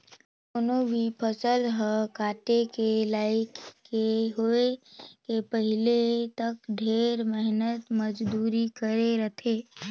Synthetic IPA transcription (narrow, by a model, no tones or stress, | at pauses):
ʊnobʱipʰəsəlɦəkaːʈekelaːɪkːeɦoekepəɦɪlet̪əkɖʱeːɾmɪɦnət̪məd͡ʒd̪uːɾikəɾeɾət̪ʰeː